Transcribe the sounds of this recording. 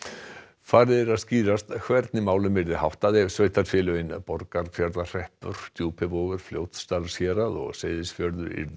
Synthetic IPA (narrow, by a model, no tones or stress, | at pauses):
faːɾðɪɾaðsciːɾast̪kʰvɛɾt̪nɪmaːwlʏmɪɾðɪhawht̪aðɪsvœːɥht̪aɾfjɛːlœɪnpɔɾkaɾfjaɾðar̥ɛhpʏɾ̥t̪ʰjuːpʰɪvoːɣʏɾ̥fljoːwt̪st̪alsjɛːɾaðɔ̰ɣseːjðɪsfjœɾðʏɾḭɾ